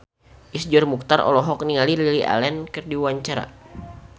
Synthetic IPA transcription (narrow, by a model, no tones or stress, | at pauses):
ʔisd͡ʒɔrmuk̚t̪arɔ̰lɔɦɔk̚niŋalililiʔa̰lɛnkɨrdiwaɲt͡ʃaɾa̰